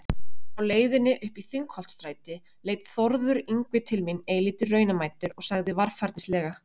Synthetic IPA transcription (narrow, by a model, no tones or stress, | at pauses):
awleːjðʏnːɪʔʏhpiθiŋkhɔlt̪st̪ɾaːjt̪ɪ | leːjt̪θɔɾðʏɾiŋkvɪt̪ʰɪlmineːjliːt̪ɪrːœːɥnamaːjt̪ʏɾɔɣsaɣðɪvaɾ̥faɾt̪nɪslɛːɣa